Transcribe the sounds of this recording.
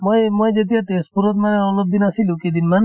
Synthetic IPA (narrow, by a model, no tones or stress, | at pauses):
mojmojd͡ʒet̪̬iat̪espuɾot̪maneɔlob̚d̪inasilũkid̪inman